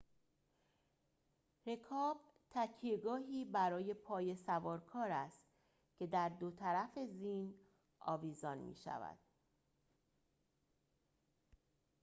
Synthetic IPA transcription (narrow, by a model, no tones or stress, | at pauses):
ɾe̞kʰɒːb̥ | t̪ʰæcʰijeɡɒːɦiːbæɾɒːje̞pʰɒːje̞sævɒːɾkʰɒːɾæst̪ | cʰe̞d̪æɾd̪ot̪ʰæɾæfe̞ziːn | ʔɒ̰ːviːzɒːnmḭːʃæ̰væ̰d̪̥̚